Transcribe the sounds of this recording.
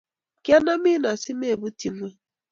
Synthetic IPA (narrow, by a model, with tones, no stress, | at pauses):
kja˦na˦mɪ˦na˨si˦me˦˨bu˦ti˨mʷ˦e˦